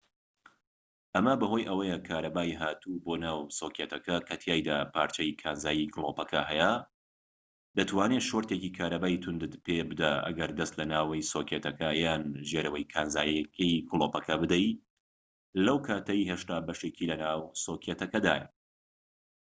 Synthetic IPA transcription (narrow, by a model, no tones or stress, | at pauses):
ʔɐmɐbɐɦoːjʔɐwɐjɐkʰaːɾɐbaːiɦaːt̪ʰubonaːwsoːkʰjet̪ɐkɐkʰɐt̪ʰjaːjd̪apʰaːɾt͡ʃɐikʰaːnzaːjiklˠoːpɐkʰɐɦɛja | d̪ɐt̪ʰwaːneʃoɾt̪ekiːkʰaːɾɐbaːit̪ʰʊnd̪ɨt̪pʰebɨd̪aʔɐ̰ɡɐɾd̪ɐst̪lɐnaːwɐjsokʰet̪ʰɐkɐjaːnʒeɾɐwɐjkʰaːnza̰ːjkʰijkɨlˠoːpɐkʰɐbɨd̪ɐj | lɐwkʰaːt̪ʰɐjɦeʃt̪aːbɐʃeːkilɐnaːwsokʰjet̪ʰɐkɐd̪a̰ːjɐ